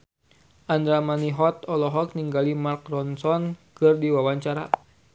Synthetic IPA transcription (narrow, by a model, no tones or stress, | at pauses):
ʔand̪ɾamaniɦɔt̪ɔlɔɦɔk̚niŋɡalimarkrɔnsɔnkɨrdiwawaɲt͡ʃaɾa̰